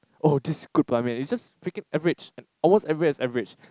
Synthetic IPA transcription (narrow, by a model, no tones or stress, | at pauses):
ʔodisɡ̥ud̚pʰamĩnisd͡ʒasfekɪ̃ŋɛvɹɪt͡ʃɛ̃nɔlmostɛvəɹisɛvəɹɪd͡ʒ